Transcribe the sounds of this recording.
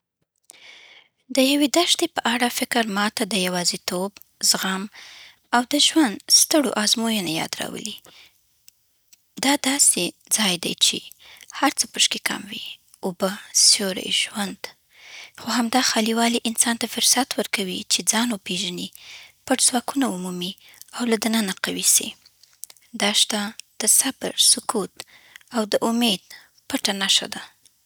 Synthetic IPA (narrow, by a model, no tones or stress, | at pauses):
d̪əjawed̪aʃt̪epəʔaɽafɪkəɾmɑt̪ad̪əjawɑzit̪ob | zɣam | awd̪əʒwand̪st̪əɽo̰ʔɑzmojənajɑ̰d̪ɾɑ̰wə̰li | d̪ɑd̪ɑse | d͡zɑjd̪ajt͡ʃḛhaɾt͡səpəʃkeka̰mwḭ | ubəsjoɾḛjʒwand̪ | xohamd̪ɑxɑliwɑliʔɪnsɑnt̪afʊɾsat̪wəɾkawit͡ʃed͡zɑnopeʒənipəʈzwɑkunaumumi | awlad̪anənaqawisḭ | d̪ɑʃt̪ad̪̥əsabɾsʊkut̪awd̪əʔʊmed̪̚ | pəʈanaʃa̰d̪a